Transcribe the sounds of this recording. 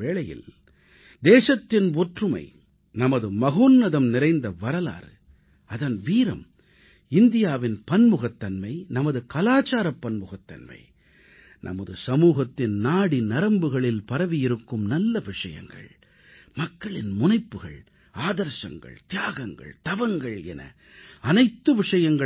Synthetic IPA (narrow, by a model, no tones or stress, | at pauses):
ʋeːɭɐjɪ̰l | d̪eːʂɐt̪ːɪnʋɔʈrɯmɐ̰ɪ | nɐmɐðɯmɐɣoːnːɐðɐmnɪɾɐɪnd̪ɐʋɐɾɐla̰ːɾɯ | ɐðɐnʋiːɾɐ̰m | ɪnd̪ɪjaːʋɪnpɐnmʊɣɐt̪ːɐnmɐɪnɐmɐðɯkɐlaːt͡ʃaːɾɐpːɐnmʊɣɐt̪ːɐ̰nmɐ̰ɪ | nʔɐ̰mɐðɯsɐmuːɣɐt̪ːɪnnaːɽinɐɾɐmbɯɣɐɭɪlpɐɾɐʋɪjɪɾɯkːɯmnɐlːɐʋɪʂɐjɐ̰ŋɡɐ̰ɭ | mɐkːɐɭɪnmʊnɐɪpːɯɣɐ̰ɭ | aːðɐɾʃɐ̰ŋɡɐ̰ɭt̪ɪjaːɣɐŋɡɐ̰ɭt̪ɐʋɐŋɡɐɭɛ̰nɐ̰ | ɐnɐɪt̪ːɯʋɪʂɐjɐŋɡɐ